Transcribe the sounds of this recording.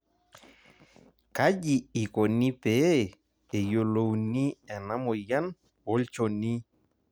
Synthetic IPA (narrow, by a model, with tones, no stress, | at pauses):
ka˦ʄi˨i˨kɔ˨ni˦pɛ˨˦ | e˨jo˨lo˨wni˦ɛ˨na˦mɔ˨ja˦n | ɔ˦lt͡ʃɔ˨ni˦